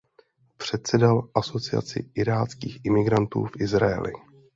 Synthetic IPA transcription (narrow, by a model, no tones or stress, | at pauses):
pr̝̥ɛt̪̚sɛdalʔaso̞t͡sɪa̰t͡sɪ̰ʔɪɾaːt͡skiːxʔɪmɪɡɾant̪ṵːfʔɪzɾaɛ̰lʔɪ̰